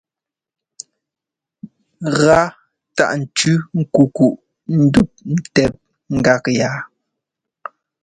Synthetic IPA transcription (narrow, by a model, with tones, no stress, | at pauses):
ɣa˦ | ta̰˦˨ʔn̩˨t͡ʃʉ˦ŋ̩˦ku˨ku˨ʔ | n̩˦du˦p̚n̩˦˨tɛ˨p̚ | ŋ̩˨ɡa˦˨kjaː˨˦